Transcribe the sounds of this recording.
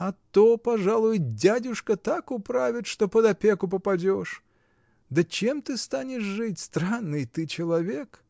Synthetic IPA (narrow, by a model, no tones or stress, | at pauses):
ɐt̪ːopɐʐalˠʊjʊdʲædʲʊʂkət̪akʊpɾavʲɪt̪ʂt̪opəd̪ɐpʲekʊpəpɐdʲo̞ʂ | d̪ət͡ɕemt̪ɨst̪anʲɪʂʐɨtʲst̪ɾanːɨjt̪ɨt͡ɕɪlˠɐvʲe̞k